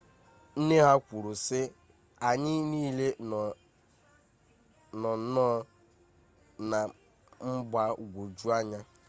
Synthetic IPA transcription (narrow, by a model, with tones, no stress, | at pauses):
n̩˦ne˦ɦa˦kʷu˨ɾu˨sɪ˦ | a˨ɲɪ˦niː˦le˦˨ | nɔ˨˦nɔ˦ | na˨ | m̩˦ɡ͡ba˨ɡʷo˨d͡ʒu˦a˦ɲa˦